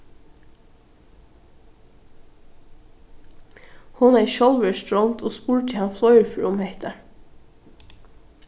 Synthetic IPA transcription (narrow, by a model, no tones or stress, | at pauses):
hʊnæːʃɔlʋəstɹɔmt̪ʰoːspuːɹt̪ʰɪhɑnflɔʏəɹfɹʊmeɪt̪ə